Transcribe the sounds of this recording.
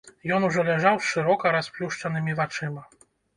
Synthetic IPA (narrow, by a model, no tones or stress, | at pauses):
jɔnuʐɔlʲɛʐawʂɨɾɔkɐɾasplʲuʂt͡ʂɐnɨmʲivat͡ʂɨmɐ